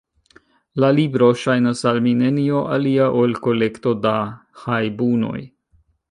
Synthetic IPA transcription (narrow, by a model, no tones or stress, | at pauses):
lalibɾo̞ʃajnasalminenio̞ʔa̰liaʔolko̞le̞kt̪o̞dahajbuno̰j